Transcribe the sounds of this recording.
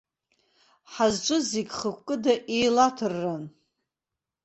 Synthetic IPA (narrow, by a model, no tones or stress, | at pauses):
ħazt͡ʃʷʼʊzeɡʲχəkʷkʼɨdaʔejlatʰɨrːan